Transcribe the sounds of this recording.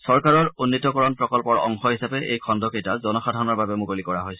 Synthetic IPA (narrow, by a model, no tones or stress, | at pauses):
sɔɹkaɹɔɹunːitɔkɔɹɔnpɹɔkɔlpɔɹɔ̰ŋxɔɦisapɛʔḛjkʰɔndɔkejtazɔnɔxadʱaɹɔnɔɹbabɛmukolikɔɹaɦojsɛ